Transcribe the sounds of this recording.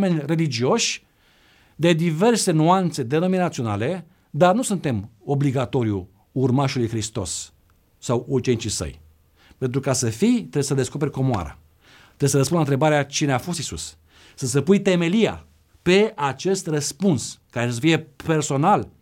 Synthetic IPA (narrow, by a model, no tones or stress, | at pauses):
me̞nʲre̞lid͡ʒio̞ʃʲ | d̪e̞d̪ive̞rse̞nuant̪se̞d̪e̞no̞minat̪sio̞nale̞ | d̪arnusunt̪e̞mo̞bliɡat̪o̞ɾju | urmaʃulujxɾist̪o̞̰sː | awurt͡ʃenit͡ʃisə̰j | pent̪ɾukasəfijt̪ɾeesəd̪e̞sko̞pe̞ɾʲko̞moa̰ɾa̰ | t̪ɾees̬əɾəs̬punant̪ɾe̞baɾeat͡ʃineafo̞st̪isṵsː | əsəpujt̪e̞me̞lia̰ | pe̞at͡ʃe̞st̪rəspunskaɾe̞səfije̞pe̞rso̞nal